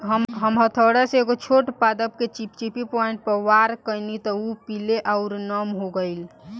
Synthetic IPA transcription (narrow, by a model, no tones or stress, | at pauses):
ɦəmɦəmɦət̪ʰəɽaseeɡot͡ʃʰoʈpad̪əp̚ket͡ʃipt͡ʃipipɔiɳʈ̚pəɾʋaɾkəɪnit̪ɔupileʔaʊɾnəmɦoɡəɪl